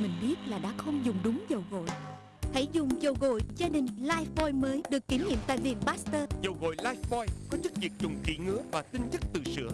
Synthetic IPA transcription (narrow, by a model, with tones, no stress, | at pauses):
mï˨˩ŋ̟ɓi˦˥ət̚laː˨˩ɗa̰ː˧˥xə˧wŋ͡mzʊ˨˩ŋ͡mɗʊ˨˦ŋ͡mzə˨˩wɣo̰˧˨j | t̪ʰə˨˦jzʊ˨˩ŋ͡mzə˨˩wɣo̰˧˨jzaː˧ɗï˨˩ŋ̟laː˧jvɔ˧jməː˨˦jɗɨ˨˩əkːi˨˦ɲḭ˧˨əmt̪a̰ː˧˨jvi˨˩ənɓaː˦˥st̪əː˧zə˨˩wɣo̰˧˨jlaː˧jvɔ˧jkɔ˨˦t͡ɕɨ˦˥k̚vi˨˩ək̚t͡ɕʊ˨˩ŋ͡mt͡ɕḭ˧˥ŋɨ˨˦əvaː˨˩t̪ï˧ŋt͡ɕə˦˥k̚t̪ɨ̰˧˨sɨ̰˧˥ə